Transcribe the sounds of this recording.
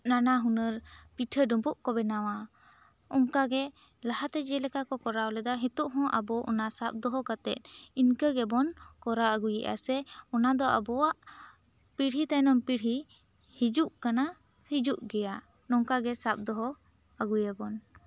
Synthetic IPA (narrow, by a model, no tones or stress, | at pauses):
nanaɦunəɾpiʈʰəɖɔmbuʔkɔbɛnawa | ɔŋkaɡɛ | laɦat̪ɛd͡ʒɛlɛkakɔkɔɾawlɛd̪aɦit̪uʔɦɔ̃ʔabɔʔɔnasap̚d̪ɔɦɔkat̪ɛ̰t̪̚ˀinkəɡɛbɔnkɔɾaəɡujɛʔa̰sɛɔnad̪ɔʔa̰bɔwaʔ | piɽɦit̪ajnɔmpiɽɦi | hid͡ʒuʔkana | hid͡ʒuʔɡɛja | nɔŋkaɡɛsap̚d̪ɔɦɔ | aɡujɛbɔn